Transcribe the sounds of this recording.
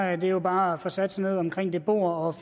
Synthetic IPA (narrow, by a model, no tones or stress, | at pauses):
æd̥e̝jo̝b̥ɑ̈ːfɒsæd̥sane̝ð̞̰ˠɒ̽mkʰʁeŋ̰d̥e̝b̥o̝̰ːɐɒ̽f